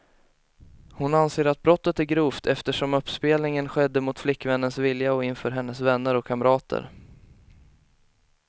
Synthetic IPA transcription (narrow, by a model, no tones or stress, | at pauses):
hʊnanseːɾat̪̚bɾɔt̪ːət̪æɾɡɾuːft̪ʰɛft̪əʂɔmɵpːspeːlnɪŋənɧɛd̪ːəmʊt̪flɪkːvɛnːənsvɪljaɔɪnfœːɾɦɛnːəsvɛnːəɾɔkʰːamɾɑːt̪ʰə̰ɾ